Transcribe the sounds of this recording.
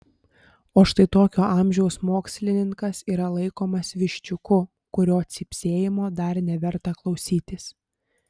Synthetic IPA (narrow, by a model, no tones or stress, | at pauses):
oːʃt̪ɐɪt̪oːkʲoːʔɑˑmʲʒʲɛʊsmoːksʲlʲɪnʲɪŋkɐsiːɾɐlˠɐɪkoːmɐsʋʲɪʃʲt͡ʃʲʊkʊ | kʊɾʲoːt̪sʲɪpʲsʲeːjɪmoːd̪ɐɾnʲɛʋʲɛɾt̪ɐklˠɒʊsʲiːt̪ʲɪs